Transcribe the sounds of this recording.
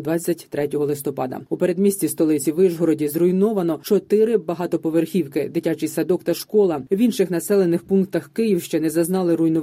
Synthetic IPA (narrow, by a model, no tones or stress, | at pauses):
d̪ʋɑt͡sʲːɐtʲt̪ɾɛtʲɔɦɔlˠɪst̪ɔpɑd̪ɐ̰upe̞ɾe̞d̪mʲisʲt͡sʲist̪ɔlˠɪt͡sʲiʋɪʒɦɔɾɔdʲizrʊjnɔʋɐnɔt͡ʃɔt̪ɪɾɪbɐɦɑt̪ɔpɔʋerxʲiwkɪd̪ɪtʲat͡ʃɪjsɐd̪ɔkt̪ɐʃkɔlˠɐwinʃɪxnɐsɛlˠe̞nɪxpunk̚t̪ɐxkɪjiwʃt͡ʃɛnɛzɐznɑlˠɪɾʊjnʊ